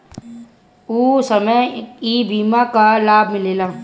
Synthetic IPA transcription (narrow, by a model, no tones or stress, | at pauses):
uːsəməjiːbʱiːmakalaːbʱmɪleːlaː